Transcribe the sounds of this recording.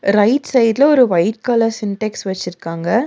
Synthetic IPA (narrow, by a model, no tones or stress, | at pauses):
ɾɐɪʈsɐɪd̪ɪlɐɔɾɯʋɐɪʈkaːlɐɾsɪnʈɛksʋɐt͡ʃːɪɾɯkːaːŋɡɐ